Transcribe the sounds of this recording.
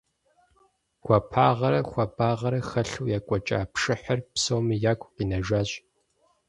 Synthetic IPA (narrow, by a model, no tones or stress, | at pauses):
ɡʷʰapʰaːʁɐɾɐxʷɐbʼaːʁɐɾɐxɐɬuːjaːkʷʼɔt͡ʃʼa̰ːpʂɨħərpsowmijaːkʷʰʼqiːnɐʒaːɕ